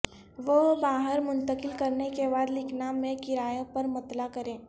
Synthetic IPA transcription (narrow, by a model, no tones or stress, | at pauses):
ʋobaːɦəɾmʊ̃nt̪əkɪlkɐɾnekebaːd̪lɪkʰnamẽkɪɾaːjõpɐɾmɐt̪lakɐɾẽː